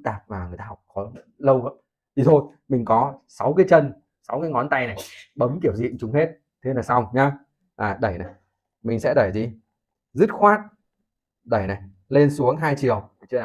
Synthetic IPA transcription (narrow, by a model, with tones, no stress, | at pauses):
t̪aː˨˩p̚vaː˨˩ŋɨ˨˩ət̪aː˧hk͡p̚kɔ˨˦lə˧wɦə˧˦ | t̪ʰi˨˩t̪ʰo˧j | mi˨˩ŋ̟kɔ˨˦sa˨˦wk̬aː˨˦jt͡ɕə˧n | sa˨˦wkaː˨˦ŋɔ˨˦nt̪a˧jna˨˩jɓə˨˦mki˧˩əwzḭ˧˨nt͡ɕʊ˨˦ŋ͡mhe˦˥t̚ | t̪ʰe˨˧˦naː˨˩sa˧wŋ͡mɲa˧ | ʔaː˨˩ɗə˧˩jna˨˩j | mï˨˩ŋ̟sɛ̰˧˥ɗə˧˩jzi˧ | zɨ˦˥t̚xwaː˦˥t̚ | ɗə˧˩jna˨˩j | le˧nsu˨˦əŋɦaː˧jt͡ɕi˨˩əw